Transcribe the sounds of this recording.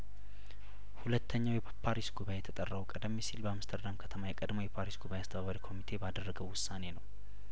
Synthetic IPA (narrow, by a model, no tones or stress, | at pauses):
hulət̪ʰːəɲːawjɛ | pʰaɾisɡuβajejɛt̪ʰət̪ʼərːəβukʼəd̪əmːisilbəamst̪ʰəɾd̪amkʰət̪ʰəmajɛkʼəd̪mo̞jɛpʰaɾisɡuβajeast̪ʰəβaβaɾikʰo̞mit̪ʰe̞bad̪ərːəɡəwːʊsːane̞nəw